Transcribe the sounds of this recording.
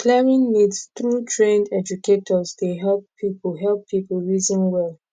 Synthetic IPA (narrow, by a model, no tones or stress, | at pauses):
klɛɹĩnnidstɹutʰɹẽndɛd͡ʒuketʰɔzdeɦɛlppʰipəɦɛlˠpʰːipəlɹizə̃nwɛlˠ